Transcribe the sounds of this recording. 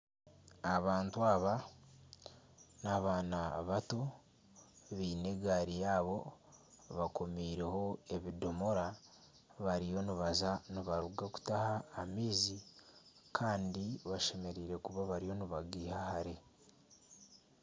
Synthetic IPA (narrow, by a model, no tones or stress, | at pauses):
aβaːntuaːβa | naβaːnaβato̞ | βiːne̞ɡaɾijaːβo̞ | βako̞miːɾe̞ho̞e̞βido̞mo̞ɾa | βaɾijo̞niβazaniβaɾuɡaku̥tahaːmiːzi | kʰaːndiβaʃe̞me̞ɾiːɾe̞kuβaβaɾijo̞niβaɡiːhahaɾe